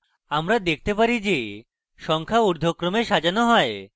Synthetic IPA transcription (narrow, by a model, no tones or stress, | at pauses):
amɾad̪ek̚ʰt̪epaɾid͡ʑe | ʃɔŋkʰauɾd̪ʱokɾomeɾʃad͡ʑanoɦɔe